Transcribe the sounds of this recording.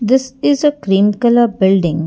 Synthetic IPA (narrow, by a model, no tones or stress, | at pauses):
d̪ɪsɪzəkɾĩːmkələbɪlɖɪ̃ŋ